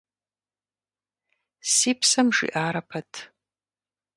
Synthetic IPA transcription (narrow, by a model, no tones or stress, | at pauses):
sipʰsamʂḭʔaːɾapʰatʰʼ